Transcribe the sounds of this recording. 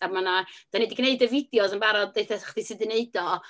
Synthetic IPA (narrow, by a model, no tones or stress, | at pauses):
abmanad̥anidiɡneɨdəvɪdjɔsənbaɾɔdeɨθɛχdisɨdɪneɨdɔ